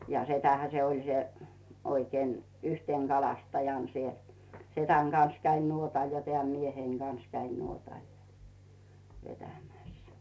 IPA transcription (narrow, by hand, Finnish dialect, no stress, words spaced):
jɑ setæhæ se olʲ se oikeːn yhteˑŋ ɡ̊ɑlɑstɑjɑˑn siel setæŋ ɡ̊ɑns kæin nuotɑl jɑ teæˑm mieheiŋ ɡ̊ɑns kæin nuotɑˑl jɑ ʋetæmæˑs